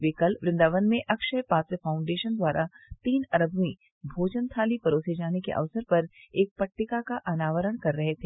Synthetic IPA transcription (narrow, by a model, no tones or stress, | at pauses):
ʋeːkɐlʋɾɪ̃nd̪aːʋənmẽʔɐkʃəjpaːt̪əfʰaːʊ̃ɳɖeːʃənd̪waːɾʔat̪iːnɐɾəbʱmĩ | bʱoːd͡ʒənt̪ʰaːlipɐɾoːsed͡ʒaːnekḛʔɐ̰ʋsəɾpɐɾeːk̚pɐʈːɪkakaʔɐnaːʋəɾəɽ̃kɐɾːɐɦet̪ʰeː